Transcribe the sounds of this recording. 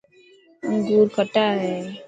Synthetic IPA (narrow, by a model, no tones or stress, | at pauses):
d̪uːɾkəʈaɦɛː